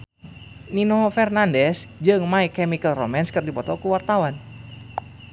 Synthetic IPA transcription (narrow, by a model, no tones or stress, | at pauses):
ninoɦfɛrnandɛsd͡ʒɨŋmaikɛmikəlromɛnskɨrdipɔt̪ɔkuwart̪awan